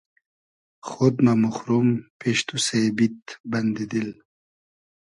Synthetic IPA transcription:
xod̪mamuxɾumpʰeʃt̪usebit̪bɐnd̪id̪il

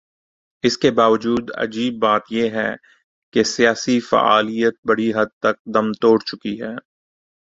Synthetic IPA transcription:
ɪskebaːʋəd͡ʒuːd̪ɐ̰d͡ʒiːbːaːt̪jeɦɛ̰ː | kesijaːsifa̰ʔa̰ːlijət̪̚bɐɽiɦɐd̪̚t̪ɐk̚d̪ɐmt̪oːɽt͡ʃʊkiɦɛː

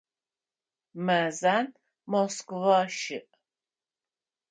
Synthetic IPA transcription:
mæzan | mɔskvaʃɨ̰ʔ

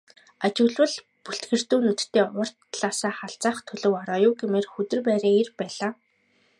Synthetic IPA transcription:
at͡ɕɪ̆wɮwə̆ɮ | puɬt̪ɡɘ̆r̥t̪uːnɵt̪̆t̪ʰːeːʊr̥t̪ɮaːsaːχaɬt͡saːχt̪ʰɵɮɵ̆wɔɾɔːjʊːɡemeːrxɵt̪ɘ̆rpæːɾaːerpæːɮaː

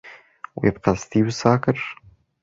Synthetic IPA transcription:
wjɪbqɑst̪iːwsaːkɪɾ

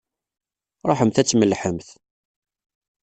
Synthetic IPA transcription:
ɾˤoħəmθæt͡sːməlħəmθ

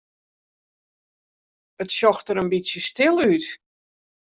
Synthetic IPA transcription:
ətsɔxtəɾənbisjəstɪlˠyt

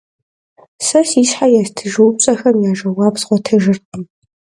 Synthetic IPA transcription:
sɐsiːsħajastʰɨʒuwp̚ɕʼɐxɐmjaːʒɐwɑːpsʁʷɔtʰɨʒɨrqʰʼəm

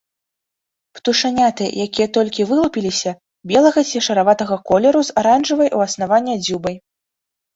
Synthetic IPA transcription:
pt̪uʂanʲat̪ɨ̰jakʲijɐt̪ɔlʲkʲivɨlˠupʲilʲisʲɐ | bʲɛlˠɐɣɐsʲjʲɛʂɐɾavat̪ɐɣɐkɔlʲɛɾuzaɾanʐɨvɐjʔuɐsnavanʲːɛd͡zʲubɐj

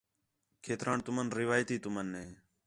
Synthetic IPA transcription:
kʰeːt̪ɾaːɳt̪ʊmənɾɪʋaːjt̪iːt̪ʊmənːeː

